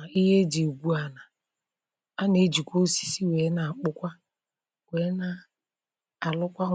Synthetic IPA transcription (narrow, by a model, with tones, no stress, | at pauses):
i˦ɦe˦d͡ʒe˨ɡʷu˦a˨na˨ | a˦ne˨˦d͡ʒi˨kʷo˦si̥˦si˦we˨˦na˨k͡pʊ˦kʷa˦ | we˨˦na˦ | a˨lʊ˦kʷa˦